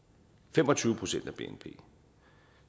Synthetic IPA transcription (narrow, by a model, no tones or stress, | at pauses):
fem̰ɒ̽t͡sʰyːʊəpʰʁo̝sen̰d̥æb̥e̝̰enpʰe̝̰ː